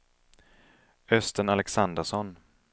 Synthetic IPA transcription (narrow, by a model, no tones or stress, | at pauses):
œst̪ənalɛksand̪əʂɔn